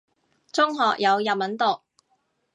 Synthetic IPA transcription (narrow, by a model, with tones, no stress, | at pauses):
t͡sʊ˥ŋɦɔː˨k̚jɐ˨˧wjɐ˨p̚mɐ˨˥nt̪o˨k̚